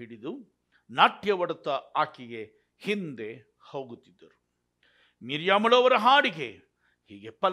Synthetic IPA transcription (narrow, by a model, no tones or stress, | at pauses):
iɽid̪u | naːʈjɐʋɐɽɐt̪ːɐaːkiɡe̞ | hind̪e̞ | hoːɡut̪ːid̪ːɐɾu | miɾjaːmɐloːʋɐɾɐɦaːɽiɡe | hiːɡe̞pɐl